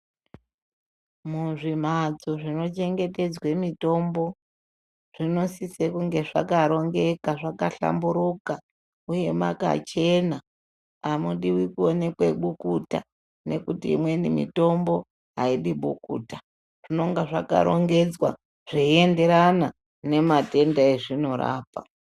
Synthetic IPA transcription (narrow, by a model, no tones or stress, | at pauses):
muʐim̤ad͡zoʐino̞t͡ʃe̞ŋɡe̞te̞d͡zwemito̞mbo̞ | ʐ̥ino̞sisekuŋɡe̞ʐakaɾo̞ŋɡe̞kaʐakaɬa̰mbuɾuka | uje̞ma̰ka̰t͡ʃe̞naː | muɗiwikuone̞kweɓukuta̰ | ne̞̰kutiːmwe̞nimḭto̞mbo̞ | ɦaiɗiɓukṵːta | ʐ̥ino̞ŋɡaʐaka̰ɾo̞̰ŋɡe̞d͡zwa̰ | ʐ̥eie̞nde̞ɾana | ne̞mate̞ndaeʐino̞ɾa̰ːpa̰